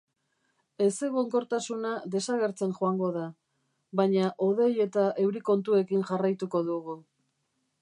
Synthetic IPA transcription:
e̞se̞ɣoŋko̞ɾt̪asunaðe̞saɣe̞ɾt͡se̞nʝoaŋɡo̞ða | βaɲaʔo̞ð̞e̞je̞t̪aʔe̞wɾiko̞nt̪ue̞kinʝarajt̪uko̞ðuɣu

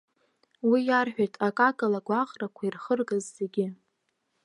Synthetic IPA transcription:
wijarħᶣajtʰʼakʼakʼalaɡʷaʁrakʷʰairχərɡazːe̞ɡʲɪ

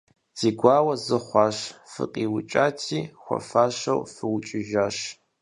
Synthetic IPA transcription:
z̥iːɡʷɑːwɐzɨχʷɑːɕfɨ̰qʼiːwʊt͡ʃʼaːtʰiːxʷɔ̰faːɕɐwfɨwʊt͡ʃʼɪʒaːɕ

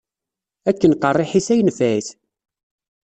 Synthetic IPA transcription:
ækːənqərˤːɪħisæjənfæjθ

